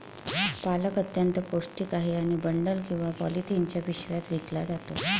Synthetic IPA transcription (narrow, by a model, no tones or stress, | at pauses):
paləkət̪jənt̪əposʈiːkaɦeaɽ̃ibəɳɖəlkĩw̃ʋapɔ̰lit̪ʰeɲt͡ɕjaʋiɕʋjat̪ɾiklad͡zat̪o̰